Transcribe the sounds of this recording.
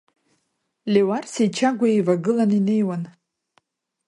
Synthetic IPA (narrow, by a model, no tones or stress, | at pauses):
lʲewarsit͡ʃʰaɡʷaivaɡɨlanine̞jwan